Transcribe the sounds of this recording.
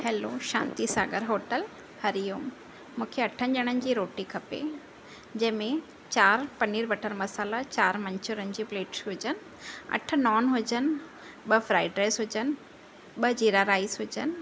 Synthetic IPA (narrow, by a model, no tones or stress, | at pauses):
heːloʃã̰ːnt̪isaːɡəɾɦoːʈəl | hɐɾijumː | ũːkʰeɐʈʰənʄɐɽ̃ənɪ̆d͡ʑiːɾoːʈikʰɐpḛ | d͡ʑɐ̃ɦɪ̃mẽ | t͡ɕaːɾpɐniːɾʋɐʈʰəɾmɐsaːlat͡ɕaːɾmɐ̃ɲt͡ɕʊɾənɪd͡ʑipleːʈsɦʊd͡ʑənɪ̆ | ɐ̰ʈʰʊ̆nɔːnɦʊd͡ʑənɪ̆ | ɓɐfɾaːɪɖɾaːɪsɦʊd͡ʑən̆ | ɓɐd͡ʑiːɾaɾaːizɦʊd͡ʑənɪ̆